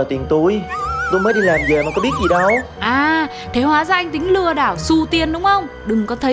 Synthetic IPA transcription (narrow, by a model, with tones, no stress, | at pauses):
t̪i˨˩ŋt̪u˨˧˦jt̪o̰˧˥məː˨˦jɗi˧˩laː˨˩mzəː˨˩ma˨˩kɔ˨˦ɓi˦˥ət̚zi˨˩ɗə˧˩w | ʔaː˨˩ | t̪ʰe˨˦hwaː˨˦zaː˧ʔa˧jŋ̟t̪ï˨˦ŋ̟lɨ˨˩əɗaː˧˩wsu˧t̪i˨˩ənɗʊ˨˦ŋ͡mxə˧wŋ͡mɗɨ˨˩ŋkɔ˨˦t̪ʰə˨˦